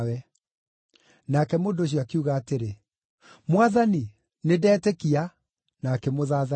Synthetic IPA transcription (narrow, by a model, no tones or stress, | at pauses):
wɛ | naːkɛmoːndoːɕ̬jɔakiuɣaːteɾe | mwaðani | nedɛːtɛkia | naːkɛmoðaːða